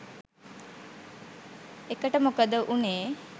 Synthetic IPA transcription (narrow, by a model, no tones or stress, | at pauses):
ekəʈəmokəd̪əʔuneː